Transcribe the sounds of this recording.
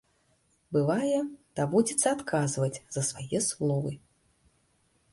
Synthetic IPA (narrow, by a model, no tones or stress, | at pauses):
bɨvajɛd̪̥abud͡zʲit̪sːɐat̪kʰazvɐt͡sʲzɐsvajɛslˠɔvɨ